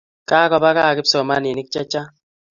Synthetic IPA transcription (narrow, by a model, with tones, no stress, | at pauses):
kaː˦kɔ˨ba˦ka˦˨kɪ˦psɔ˨ma˦ni˨ni˦k̚t͡ʃɛ˦t͡ʃa˦